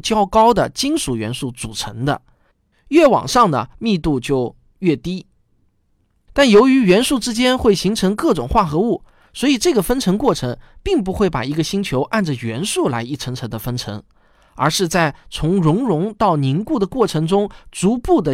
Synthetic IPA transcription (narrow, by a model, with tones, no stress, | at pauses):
t͡ɕjɑ˥ʊkɑ˥ʊd̪ə˨t͡ɕi˥nʂu˨˩ɥɛ̰˧˥nʂu˥˩t͡su˨˩ʈ͡ʂʰɤ˧˥ŋd̪ə̰˧ | ɥɛ˥˩wɑ̰˨˩ŋʂɑ˥˩ŋd̪ə̰˩mi˥˧t̪u˥˧t͡ɕjo˥˧ʊ | ɥɛ˥˩t̪i˥ | t̪a˥˩njo˧˥ʊy˧˥ɥɛ˧˥nʂu˥˩ʈ͡ʂɻ̩˥t͡ɕjɛ˥nxwe˥˩ɪɕi˧˥ŋʈ͡ʂʰɤ˧˥ŋkɤ˥˩ʈ͡ʂʊ̰˨˩ŋxwa˥˩xɤ˧˥u˥˩ | swɔ˧˥i˨˩ʈ͡ʂɤ˥˩ɡə˩fə˥nʈ͡ʂʰɤ˧˥ŋkwɔ˥˩ʈ͡ʂʰɤ˧˥ŋpi˥˩ŋp̬u˧˥xwe˥˩ɪpa̰˨˩i˧˥ɡə˧ɕi˥ŋt͡ɕʰjo˧˥ʊʔa˥˩nʈ͡ʂə˩ɥɛ˧˥nʂu˥˩la̰˧˥ɪi˥˩ʈ͡ʂʰɤ˧˥ŋʈ͡ʂʰɤ˧˥ŋd̪ə˧fə˥nʈ͡ʂʰɤ̰˧˥ŋ | ə˞˧˥ʂɻ̩˥˧t͡sa˥˩ɪt͡sʰʊ˧˥ŋɻʊ˧˥ŋɻʊ˧˥ŋt̪ɑ˥˩ʊni˧˥ŋku˥˩d̪ə˩kwɔ˥˩ʈ͡ʂʰɤ˧˥ŋʈ͡ʂʊ˥ŋt͡su˧˥pu˥˩d̪ə˩